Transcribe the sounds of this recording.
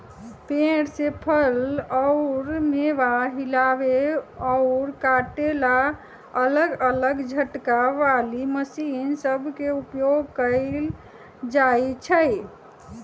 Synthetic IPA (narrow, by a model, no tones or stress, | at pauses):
peɽsepʰəlɔʊɾmeʋaɦilabeɔʊɾkaʈela | ələɡələɡd͡ʒʱəʈkaʋaliməsinsəbʱkeupjoɡkəl | d͡ʒajt͡ʃʰə